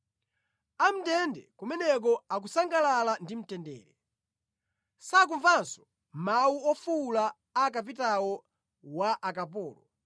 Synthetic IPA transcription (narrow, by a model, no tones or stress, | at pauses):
am̩tɛndɛkumɛnɛk̬ɔak̬usaŋɡalalandim̩tɛndɛ̰ːɾɛ | sak̬uɱvansɔ̥ | mawuɔfuːla | akapitawɔ | waʔakapɔːlɔ